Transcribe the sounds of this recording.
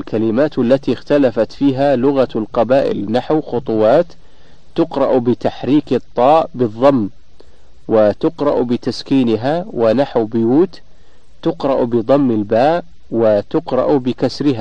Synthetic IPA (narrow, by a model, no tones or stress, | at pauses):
lkalɪmaːt̪alːat̪ixt̪alafat̪fiːɦalʊɣalqɑbaːʔɪ̰lnaħwxʊt̪ˤʊwɑːt̪ː | ʊqɾˤɑʔbɪt̪aħɾiːkɨt̪ˤːɑːʔbɨðˤːɑmː | wɪt̪ʊqɾˤɑ̰ʔbɪt̪askiːnɪɦawʔɪnaħwbʊjuːt̪ | t̪ːʊqɾˤɑʔbɪðˤɑmːɪlbaːʔ | wɪt̪ʊqɾˤɑ̰ʔbɪkasɾɪɦa